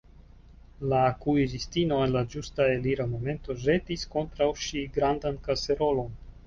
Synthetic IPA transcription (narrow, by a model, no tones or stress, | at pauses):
lakuiɾistino̞enlad͡ʒustaeliɾamo̞me̞nto̞ʒe̞tisko̞ntɾawʃiɡɾandankase̞ɾo̞lo̞n